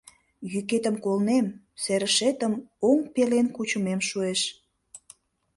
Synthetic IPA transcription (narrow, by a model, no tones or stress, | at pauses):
jyket̪əmkolnem | seɾəʃet̪əmoŋpelenkut͡ɕumemʃueʃ